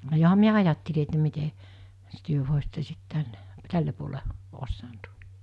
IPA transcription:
johɑm miæ ɑjɑtːeli etːæ mite s tyø ʋoˑesitːe sit tænːe tælːe puole osːɑːnt

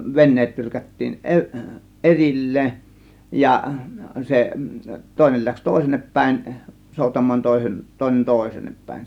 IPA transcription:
ʋenːeːt tyrkætːiːn ʔeri ʔerilːeːn jɑ se toˑe̝nel læks toˑe̝senːep pæˑe̝n soˑutɑmˑɑːn toˑe̝sen toˑe̝nen toˑe̝seːnːep pæˑe̝n

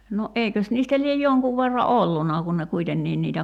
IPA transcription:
no ʔeikøs niːstæ liej joŋkuʋ ʋerːɑ olːunːɑˑ kun ne kuitenːiː niːtæ

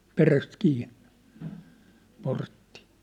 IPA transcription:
peræst kiːnːe̥ portːi

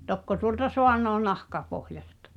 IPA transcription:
tokːo tuoltɑ soɑnˑoː nɑhkɑpohjɑstɑ̥

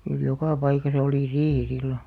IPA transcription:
kyl jokɑˑ pɑikɑsɑ oliˑ riːhi silːo

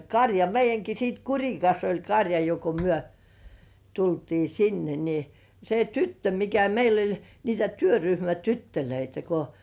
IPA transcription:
kɑrʲjɑ meijˑæŋki sit kurʲikɑs olʲ kɑrʲjɑ jo ko myø tultiː sinːe ni se tytːø mikæ meil olʲ niːtæ tyøryhmætytːøløitæ ko

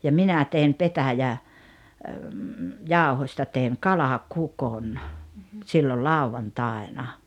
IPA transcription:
jɑ minæ tein petæjæ jɑˑohosʲtɑ teˑiŋ kɑlɑkukon silːol lɑˑuʋɑntɑˑenɑ

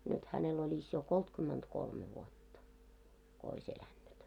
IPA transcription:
nyt hænel olʲis jo koltkymːentkolme ʋuotːɑ ko ois elænːyt

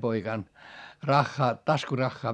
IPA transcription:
poikɑˑn rɑxːɑː tɑskurɑxːɑː

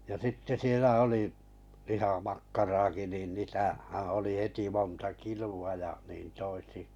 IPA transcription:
jɑ sitːe sielæ oli lihɑmɑkːɑrɑːki niˑn niˑ tæhæː oli heti montɑ kiluɑ jɑ niːn toisi

